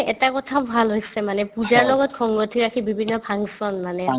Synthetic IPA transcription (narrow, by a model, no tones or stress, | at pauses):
ɛtakɔtʰabʱalɦojsɛmanɛpuzaɹlɔɡɔtkʰɔŋɡotʰiɹakʰibibʱinːɔpʰaŋsɔnmanɛ